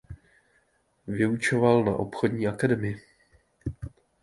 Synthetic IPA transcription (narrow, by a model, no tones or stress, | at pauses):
vɪut͡ʃo̞valna̰ʔopxo̞dɲiːʔakadɛmɪɪ